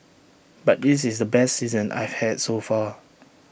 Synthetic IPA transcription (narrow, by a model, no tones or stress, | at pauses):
bat̚dis̬ɪsdəbɛstsizə̃nʔa̰jv̥hɛdsofa